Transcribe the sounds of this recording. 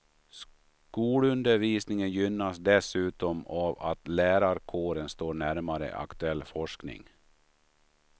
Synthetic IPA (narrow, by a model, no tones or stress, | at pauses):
s | kuːlɵnd̪əɾviːsnɪŋənjʏnːasd̪ɛsʉ̟ːt̪ɔmava̰t̪læːɾaɾkʰoːɾənst̪oːɳæɾmaɾə̰a̰kt̪ɵɛlːfɔʂknɪ̰ŋ